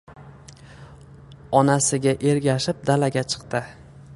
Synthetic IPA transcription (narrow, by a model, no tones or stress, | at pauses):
ɒnasɪɡʲaʔe̞ɾɡʲaʃɪp̚d̪alaɡʲat͡ʃʰɨ̥qt̪ɪ